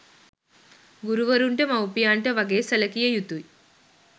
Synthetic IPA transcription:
ɡuɾuʋɐɾuɳʈɐmɐwpijaːɳʈɐʋɐɡeːsɐlɐkijɐjut̪uj

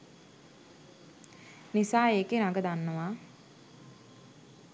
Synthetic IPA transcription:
nisaːeːkenaɡəd̪anːəʋaː

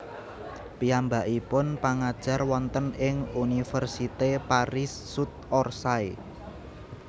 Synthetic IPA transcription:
piambaʔipʊnpaŋad̥ʒ̥a̤rwɔnt̪ənɪŋunifərsit̪epaɾɪsːut̪̚ɔrsai

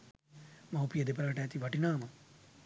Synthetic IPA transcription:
mɐwpijɐd̪ip̬ɾɐʈaːt̪iʋɐʈinaːmɐ

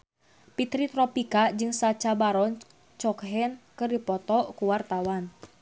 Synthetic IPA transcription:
pit̪ɾit̪ɾɔpikad͡ʒɨŋsat͡ʃabaɾɔn | t͡ʃɔkɦɛnkɨrdipɔt̪ɔkuwart̪awan

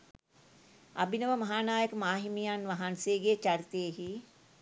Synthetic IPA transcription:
ɐbinəʋəmɐɦaːnaːjəkəmaːɦimijanʋaɦanseːɡet͡ʃɐɾit̪ejəɦi

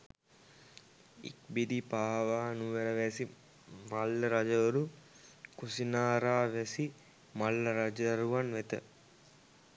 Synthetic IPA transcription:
ḭk̚bid̪ipaːʋaːnuʋeɾəʋæsi | malːəɾad͡ʒəʋəɾu | kusinaːɾaːʋæsi | malːəɾad͡ʒəɾuʋanʋet̪ə

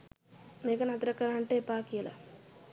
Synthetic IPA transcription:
neːkɐnat̪ɾɐkːɐɾaːɳʈepaːkiɐlɐ̰

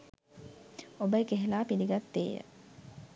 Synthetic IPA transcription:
obəjkeɦelaːpiliɡat̪ːḛːjə̰

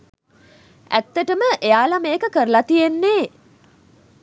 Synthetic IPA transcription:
æ̰t̪ːəʈəməʔejaːlamejəkəkəɾəlat̪ijenːeː

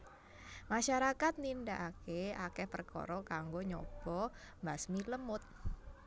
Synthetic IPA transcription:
maʃaɾakat̪̚nindaʔakeakehpərkɔ̰ɾɔkaŋɡoɲɔ̰b̥ɔ | basmiləmʊt̪̚

